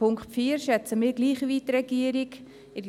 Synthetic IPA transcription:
ʊŋkχtfiːəɾʃɛt͡səmɪːɾɡliːχʋitrɛɡiəɾik | ɪ

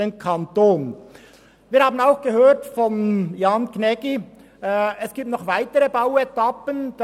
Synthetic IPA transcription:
enkʰɑntoːn | viːɾhɑːbən̩aʊxɡ̥əɦøːtfɔnjɑːnknɛɡ̥i | ɛsɡ̥iːp̚tnɔχvaɪtəʁəbaʊɛtɑpənd̥

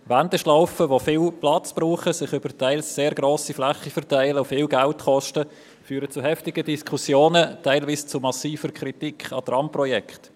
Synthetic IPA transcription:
ʋændəʃlaʊfəʋofɪːlplɑt͡sb̥ruːχəsɪχʏb̥əɾtæɪlsseːɾɡɾoːsiflɛχːifəɾtæɪləʊfɪːlɡæltχɔʃtə | fyːɾət͡suɦɛftɪɡ̥ədiskχusjoːnətæɪlʋiːst͡sumɑsiːfəɾkʰɾitikχɑ̰tɾʔɑmprɔjɛkχt

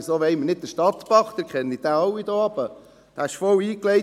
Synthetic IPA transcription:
soːʋɛɪmənɪd̚d̪əʃtɑt̪pɑχt̪əɾkχɛnid̥̪æɑwid̥̪oːɑb̥ə | d̥æːɪʃfɔwiːklɛɪ

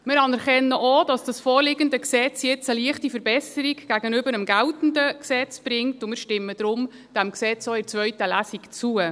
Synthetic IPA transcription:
mɪɾɑnɛɾχɛnːəʔod̥ɑsd̥ɑsfoːɾlɪɡəndəksɛt͡sjɛt͡səliəχtifəɾbɛsəɾiɡɡ̥æɡənʏbəɾəmɡæltn̩dəksɛt͡sb̥ɾɪŋtʊmɪːɾʃtɪmːəd̥ɾʊm | d̥æmksɛt͡soɪt͡sʋœʏtəlæsikt͡suə

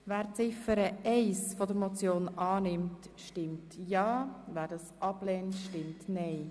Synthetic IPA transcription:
væːɾt͡sɪfəɾəɛɪsfɔdəɾmɔt͡sjoːnɑːnɪmt | ʃtɪmtjɑːvæːɾdɑsʔɑblɛːntʃtɪmtnɛɪ

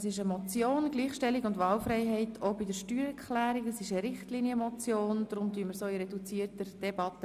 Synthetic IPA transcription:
sɪʃəmɔt͡sjoːnɡ̥liːχʃtɛlːɪɡʊndʋɑːlfɾɛɪɦɛɪtʰobɪdəɾʃtyːɾɛkʰχlæːɾɪkəsɪʃəɾɪχtliːniəmɔt͡sjoːnd̪ɾʊmtyəməɾsoːiɾɛdut͡siːərtəd̥ɛbɑtə

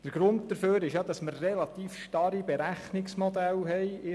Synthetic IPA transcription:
d̥əɾɡ̥ɾʊndd̪əɾføːɾɪʃjɑd̪ɑsməɾːɛlɑt̪iːfʃtɑɾibɛɾæχnɪksmɔd̪ælɦɛɪɪ

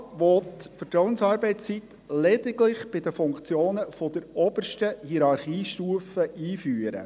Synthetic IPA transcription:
ʋɔtfətɾɔwənsɑːɾbɛɪt͡st͡sit̪ | lɛd̥̪ɪɡlɪχb̥ɪd̪əfʊŋkt͡sjoːnəfɔd̪əɾɔb̥ərʃtəhiɾɑɾχiːʃtuːəfəʔiːfyːəɾə̰

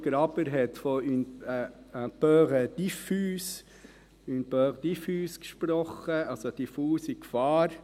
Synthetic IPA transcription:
ɡ̥ɾɑbəɾɦɛt̪fɔyn | b̥œːʁəd̪ifyːs | ynpœʁd̥̪ifyːskʃpɾɔχəɑlsod̥ifuːsɪkfɑːɾ

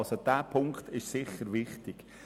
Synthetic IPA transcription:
sod̥æːpʰʊŋkχt̪ɪʃsɪχəɾʋɪχtɪɡ̥

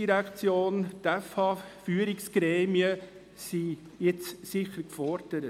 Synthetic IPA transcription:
iɾækt͡sjoːnt̪ɛfhɑfyːəɾɪksɡ̥ɾɛːmiə | si | jɪt͡ssɪχəɾkfɔɾd̥əɾə

